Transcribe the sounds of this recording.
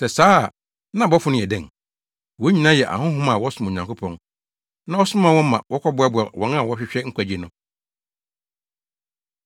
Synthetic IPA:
sɛ˨saː˦˨ | nã˦bɔ˦fʊ˦nʊ̃˦˨ɛ˨dɛ̃˦˨ŋ | wɔ˨˦ɲĩ˨nã˦jɛ˨ʔa̰˨hʊ̃˦ɦʊ̃˦ma˨wɔ˦sʊ̃˨˦mõ˨ɲã˨ŋko˦pʰɔ̃˨n | nã˦ɔ˦sʊ˦mã˦˨wɔ̃˦mã̰˨wɔ˦kʰɔ˦bʊ˦a˦bʊ˨a˨wɔ̃˨nã˦˨wɔ˦ɕᶣɪ˦ɕᶣɛ˦ŋ̩˦kʷʰæ˨d͡ʑi˨nʊ̃˨˦

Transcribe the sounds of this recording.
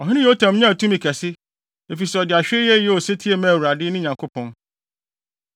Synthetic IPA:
ɔ˨ɦɪ̃˦nɪ̃˦jɛ˨˦o˦tʰã˨mɲã˦˨tʰũ˦mĩ˨kʰæ˨sɪ˦ | e˨fi˨sɛ˨ɔ˨dɪ˨a˨ɕᶣjɛ˦jɛ˦o˨se˦tʰi˦e˦mæ̃˦˨wu˨ɾa˨dɪ˦nʊ̃˦ɲã˨ŋkʰo˦pʰɔ̃˦n

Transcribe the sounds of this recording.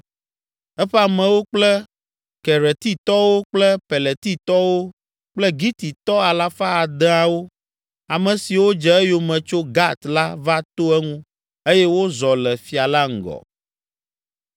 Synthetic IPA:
ɛ˦ɸɛ˦a˨mɛ̃˨wo˦k͡plɛ˦ | kɛ˨ɾɛ˨t̪i˦t̪ɔ˦wo˦k͡plɛ˦pɛ˨lɛ˨t̪i˦t̪ɔ˦wo˦ | k͡plɛ˦ɡi˦t̪i˨t̪ɔ˦a˨la˦fa˦a˨d̪ɛ˦a˨wo˦ | a˨mɛ̃˨si˨wo˦d͡ʒɛ˨ɛ˦jo˨mɛ̃˨t͡ʃo˦ɡa˦t̪la˦va˦t̪o˦ɛ˦ŋũ˦ | e˦jɛ˦wo˦zɔ˨lɛ˨fi˨a˨la˦ŋ̩˨ɡɔ̰˨

